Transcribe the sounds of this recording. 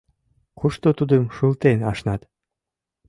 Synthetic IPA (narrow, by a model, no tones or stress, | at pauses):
χuʃt̪ot̪ud̪ɤmʃulˠt̪enɑʃnɑt̪